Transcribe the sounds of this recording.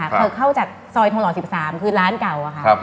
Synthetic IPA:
a˥˩˧ɤ˧˨˩kʰːa˥˩wt͡ɕaː˨˩k̚sɔː˧jt̪ʰa˧ŋlɔː˨˩si˨˩p̚saː˩˦mkʰɯː˧ɾaː˦˥nka˨˩wʔa˨˩kʰa˥˩˧

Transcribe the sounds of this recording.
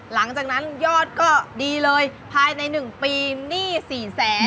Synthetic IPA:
la˩˦ŋt͡ɕaː˨˩k̚na˦˥njɔː˥˩t̪̚kɔː˥˩diː˧lɤː˧jpʰaː˧jna˧jnɯ˨˩ŋpiː˧niː˥˩siː˨˩sɛː˩˦

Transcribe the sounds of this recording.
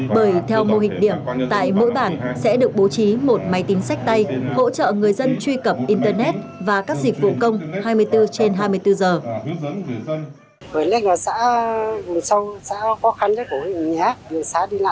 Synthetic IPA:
ɓəː˧˩jt̪ʰɛ˧wmo˧ɦï˨˩k̟̚ɗi˧˩əmt̪a̰ː˧˨jmo̰˧˥jɓaː˧˩nsɛ̰˧˥ɗɨ˨˩ək̚ɓo˨˦t͡ɕi˨˦mo˨˩t̚ma˨˦jt̪ï˨˦ŋ̟sa˦˥jk̟̚t̪a˧jho̰˧˥t͡ɕə̰ː˧˨ŋɨ˨˩əjzə˧nt͡ɕwi˧kə˨˩p̚ʔi˧nt̪əː˧nɛ˦˥t̚vaː˨˩kaː˦˥k̚zi˨˩k̟̚vṵ˧˨kə˧wŋ͡mhaː˧jmɨ˧əjt̪ɨ˧t͡ɕe˧nɦaː˧jmɨ˧əjt̪ɨ˧zəː˨˩ | vəː˨˩jle˦˥vɔː˨˩sa̰ː˧˥mu˨˩sə˧wsa̰ː˧˥xɔ˨˦xa˧nzə˨˦ku˧˩hi˧˨ɲa˨˧˩a˦ɗɨ˨˩əsaː˨˦ɗi˧la̰ː˧

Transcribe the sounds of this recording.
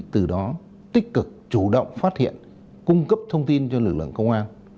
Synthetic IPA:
t̪ɨ˨˩ɗɔ˨˦ | t̪ï˦˥k̟̚kɨ˨˩k̚t͡ɕu˧˩ɗə̰˧˨wŋ͡mfaː˦˥t̚hḭ˧˨ən | kʊ˧ŋ͡mkə˦˥p̚t̪ʰə˧wŋ͡mt̪i˧nt͡ɕɔ˧lɨ˨˩k̚lɨ̰˧˨əŋkə˧wŋ͡mʔaː˧n

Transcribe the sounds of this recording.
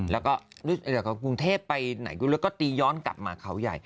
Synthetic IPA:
lɛː˦˥wkɔː˥˩du˦˥˩ɛː˧˩kɔ˥˩k̬u˧ŋt̪ʰeː˥˩pːa˧jna̰˨˩˦juː˧˩lːkɔː˥˩t̪iː˧jɔː˦˥nka̰˨˩p̚maː˧kʰa˦˥wja̰˨˩j

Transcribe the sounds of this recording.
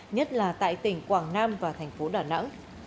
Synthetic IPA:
ɲə˦˥t̚laː˨˩t̪a̰ː˧˨jt̪ï˧˩ŋ̟kwaː˨˧˩ŋnaː˧mvaː˨˩t̪ʰɛ˨˩jŋ̟fo˨˦ɗaː˧˩nə̰˧˥ŋ

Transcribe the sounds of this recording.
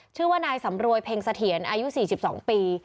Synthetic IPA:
t͡ɕʰɯː˥˩waː˥˩naː˧jsa˩˦mɾu˧əjpʰeː˧ŋsa˧t̪ʰi˩˦ənʔaː˧ju˦˥siː˨˩si˨˩p̚sɔ̰ː˩˦ŋpiː˧

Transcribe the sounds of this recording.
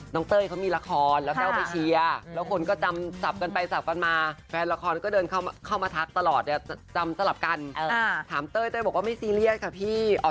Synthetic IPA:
nɔː˦˥ŋt̪ɤː˥˩jkʰa˦˥wmiː˧la˧kʰɔː˧nlɛ˦˥wkɛː˥˩wpa˧jt͡ɕʰi˧ɐlɛː˦˥wkʰo˧nkɔː˥˩t͡ɕa˧msa˨˩p̚ka˧npa˧jsa˨˩p̚ka˧nmaː˧fʰɛː˧nla˧kʰɔː˧nkɔː˥˩dɤː˧nkʰa˥˩wkʰa˥˩wmaː˧t̪ʰa˦˥k̚t̪a˧lɔː˨˩t̪̚dɛ˨˩t͡ɕa˧msa˧la˨˩p̚ka˧nt̪ʰaː˩˦mt̪ɤː˥˩jt̪ɔː˥˩bɔː˨˩waː˥˩ma˥˩jsiː˧li˥˩ət̪̚kʰa˦˥˩pʰiː˥˩ʔɔ̰ː˨˩

